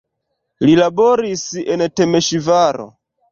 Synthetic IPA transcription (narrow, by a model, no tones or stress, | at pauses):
lilaboɾisɛntemeʃivaɾo̰